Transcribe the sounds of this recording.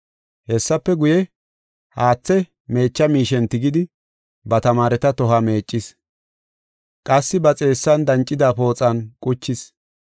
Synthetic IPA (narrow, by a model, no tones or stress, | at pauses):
hɛsːɐpːɛɡʊjɛ | haːt͡sːɛ | me̞ːt͡ʃːɐmiːʃɛnt̪ɪɡɪd̪ɪ | bɐt̪ɐmaːɾɛt̪ɐt̪ɔɦɐme̞ːt͡ʃʼːɪs | kʼɐsːɪbɐt͡sʼe̞ːsːɐnd̪ɐnt͡ʃʼːɪd̪aːpo̞ːt͡sʼɐnkʼʊt͡ʃːɪs